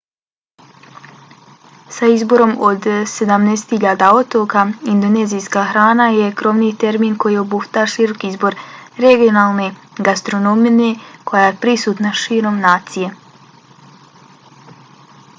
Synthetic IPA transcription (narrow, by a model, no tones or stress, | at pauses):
saizbo̞ɾo̞mo̞d̪se̞d̪amnest̪hiʎaːd̪ao̞t̪o̞kaind̪one̞ːzijskaːxɾaːnaje̞kɾo̞ʋniːt̪e̞ɾmiːnko̞jio̞buft̪aɾʃiɾo̞kiizbo̞ɾɾe̞ɡijo̞naːlˠne̞ | ɡast̪ɾo̞nominekʰo̞jaːjepɾisuːt̪naʃiːɾo̞mnaːt̪sije̞